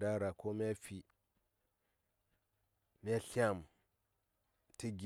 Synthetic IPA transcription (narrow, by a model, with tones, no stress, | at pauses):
da˦ɾa˨ko˦m˦a˦fi˨ | m˦a˦ɬi˦a˦˨m | ti˦ɡ